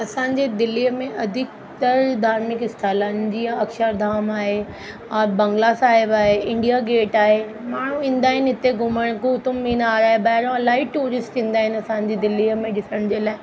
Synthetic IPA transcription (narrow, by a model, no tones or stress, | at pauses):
ɐsãːɲd͡ʑed̪ɪliəmẽʔɐd̪ʱɪk̚ | t̪əɾd̪ʱaːɾmɪkɪst̪ʰaːlaːnd͡ʑiaɐkʃəɾd̪ʱaːmaːɦe | abɐ̃ŋɡlasaːɦɪbaːɦeɪ̃ɳɖijaɡeːʈaːɦemaːɳ̤ũĩːnd̪aːɦɪnɪt̪eɡʱʊməɽ̃kut̪ʊmːĩːnaːɾaːɦebɐːɦɪɾõɐlaːɦiʈuːɾɪsʈʰĩːn̆d̪aːɦɪnɐsãːɲ̆d͡ʑid̪ɪlːimẽɗɪsəɽ̃d͡ʑeːlaːɪ